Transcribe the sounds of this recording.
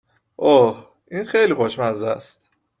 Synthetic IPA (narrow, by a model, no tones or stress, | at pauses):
ʔoh | ʔiːnxejlixoʃmæzæ̰st̪